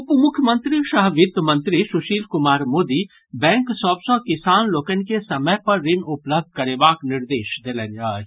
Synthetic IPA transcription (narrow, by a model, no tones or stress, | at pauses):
ʊpmʊkʰjəmə̃nt̪ɾiʃɐɦʋɪt̪mɐ̃nt̪ɾisʊʃiːlkʊmaːɾmoːd̪i | bɛ̃ːŋksɔːbsɔ̃kɪsaːnloːkənkesɐməjpɐɾːɪnʊpləb̚d̪̚ʱkɐɾeːbaːknɪɾd̪eːʃd̪eːlənaː